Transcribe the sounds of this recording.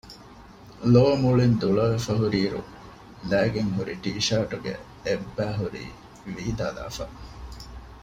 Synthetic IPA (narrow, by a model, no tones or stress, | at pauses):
loːmuɭind̪uɭɐʋefɐɦuɾiːɾṵ | læːɡeŋɦuɾiʈiːʃaɾʈuɡḛ | ebːæːɦuɾḭː | ʋiːd̪a̰ːla̰ːfɐ